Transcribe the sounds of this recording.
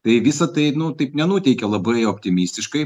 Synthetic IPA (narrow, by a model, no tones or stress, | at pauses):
t̪ɐɪʋʲɪsɐt̪ɐɪnʊt̪ɐɪpnʲɛnut̪ʲɛɪkʲɛlˠɐbɐɪɔpʲt̪ʲɪmʲiːsʲt̪ʲɪʃkɐɪ